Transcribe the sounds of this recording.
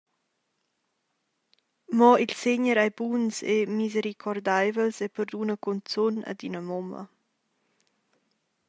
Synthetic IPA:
mɔilseɲəɾajbunsemizeɾikʰɔrd̪ajvəlsepəɾd̪unəkɔnt͡sunə̰d̪inəmɔmə̰

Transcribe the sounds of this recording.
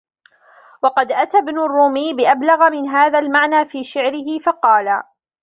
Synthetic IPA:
wɑqɑd̪ʔat̪abnʊrˤːuːmiːbɪʔablaɣamɪnɦaːðaːlmaʕnaːfiːʃɪʕɾɪɦɪfɑqɑːlaː

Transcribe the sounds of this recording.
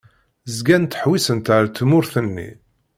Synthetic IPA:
zɡænt̪əħwisənt̪ʕɾt̪ːmʊɾθənːḭ

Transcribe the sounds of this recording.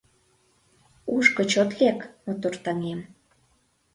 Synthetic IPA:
uʃkŏt͡ɕot̪lekmot̪ort̪ɑŋem

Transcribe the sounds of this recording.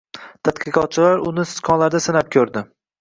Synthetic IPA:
t̪ʰat̪qʰɨqɒt̪̚t͡ʃʰɪlaɾʊnɪsɪ̥skʰɒnlaɾd̪asɪnap̚kʲʰɵɾd̪ɪ

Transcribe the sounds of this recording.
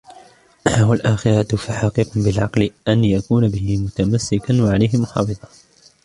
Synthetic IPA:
ʔwalʔaːxɪɾɑt̪faħɑqɨqbɪlʕɑqlɪʔanjakuːnabɪhɪmʊt̪amasːɪkanwaʕalajhɪmʊħɑ̰ːfɨðˤɑ

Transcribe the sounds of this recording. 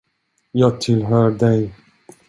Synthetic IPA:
jɑːɡ̚t̪ʰɪlɦœːɖɛj

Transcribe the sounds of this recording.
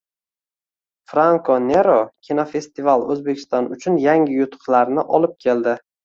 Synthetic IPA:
fɾaŋkʰone̞ɾokʲʰinofe̞st̪ivalˠɵzbe̞kʲʰɪ̥st̪ɒnʊt͡ʃʰʊnjaŋʲɪjʊt̪ʰʊ̥qlaɾnɪʔɒlɪp̚kʲʰe̞ld̪ɪ

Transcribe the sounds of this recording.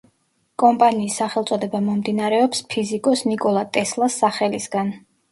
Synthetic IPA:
kʼɔmpʼaniːsːaχɛlˠt̪sʼɔd̪ɛbamɔmd̪inaɾɛɔpspʰizikʼɔsnikʼɔlˠat̪ʼɛslˠasːaχɛlisɡan

